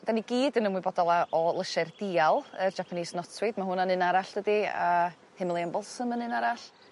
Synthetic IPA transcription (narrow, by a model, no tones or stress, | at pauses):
d̥aniɡiːdənəmwɨbɔdɔlˠaʔɔlˠəʃard̥iːalˠərd͡ʒapʰaniːsnɔtʰwɪdmaɦʊnanɨnaɾaɬd̥ədia̰ | hɪmlˠiəmbɔlˠsəmənɨnaɾaɬ